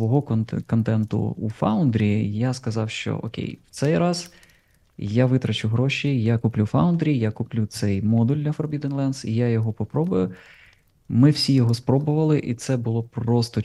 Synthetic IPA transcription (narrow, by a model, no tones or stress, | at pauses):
ʋɔɦɔkɔnt̪ɛnt̪ʊ̰ṵfɑʊnd̪ɾʲijaskɐzɑwʃt͡ʃɔ̰ɔ̰kʲḛjw̥t̪sɛjɾɑz̥ | jaʋɪt̪ɾɐt͡ʃʊɦɾɔʃijakuplʲufawʊnd̪ɾʲijakuplʲut̪sɛjmɔd̪ulʲd̪lʲɐfɔɾbʲid̪ɛnlˠɛnsḭjajɔɦɔpɔpɾɔbʊjʊ | mɪwsʲijɔɦɔspɾɔbʊʋɐlˠɪʔḭt̪sɛbʊlˠɔpɾɔst̪ɔ